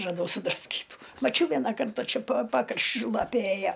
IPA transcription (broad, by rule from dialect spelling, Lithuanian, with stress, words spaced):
rɐˈdɐʊ sʊdrɐsʲˈkʲiːtuː mɐˈt͡ʃʲɛʊ ˈʋʲiɛnɐ ˈkɐrtɐ ˈt͡ʃʲɛ pɐ ˈpɑːkrɐʃʲt͡ʃʲʊ ˈlˠɑːpʲeː ˈeːjɛ